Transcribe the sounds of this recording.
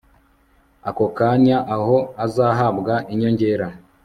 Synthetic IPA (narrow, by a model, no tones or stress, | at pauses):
ako̞kaɲaʔaho̞azaːɦabɡaʔiɲo̞ɲɟe̞ːɾa